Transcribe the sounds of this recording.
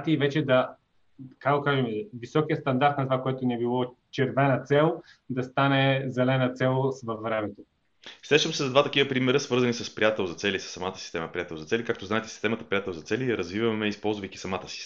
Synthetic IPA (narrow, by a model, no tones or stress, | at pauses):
t̪iivɛt͡ʃɛd̪ɐ | kak̪okaʒɛmɛvisɔkijət̪st̪ɐnd̪aɾt̪nɐt̪ovakoɛt̪oniɛbilˠɔt͡ʃɛɾvɛnət̪sɛlˠ | d̪ɐst̪anɛzɛlɛnɐt̪sɛlˠsvɐfvɾɛmɛt̪o | sɾɛʃəmsɛzɐd̪vat̪ɐkivəpɾimɛɾəsvɤɾzɐnisəspɾʲijat̪ɛlˠzɐt̪sɛlʲisə̥sːɐmat̪ə̥si̥st̪ɛməpɾijat̪ɛlˠzɐt̪sɛlikak̚t̪oznaɛt̪ɛ̥si̥st̪ɛmət̪əpɾijat̪ɛlˠzɐt̪sɛliɐɾɐzvivɐmɛispɔlˠzvɐjkʲisɐmat̪ə̥si̥